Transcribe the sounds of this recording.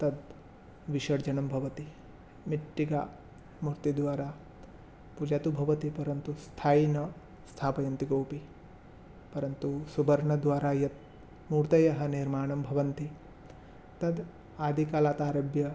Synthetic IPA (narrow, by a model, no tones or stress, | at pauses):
t̪ɐd̪ | ʋiʃɐɾd͡ʒɐɳɐmbʱɐʋɐt̪i | miʈːiɡaː | muɾt̪id̪ʋaːɾaː | pud͡ʒat̪ubʱɐʋɐt̪ipɐɾɐnt̪ust̪ʰaːinɐ | st̪ʰaːpɐjɐnt̪iɡowpi | pɐɾɐnt̪usubɐɾɳɐd̪ʋaːɾaːjɐt̪̚ | muːɾt̪ɐjɐɦɐniɾmaːɳɐmbʱɐʋɐnt̪i | t̪ɐd̪ | aːd̪ʱikalaːt̪aːɾɐbjɐ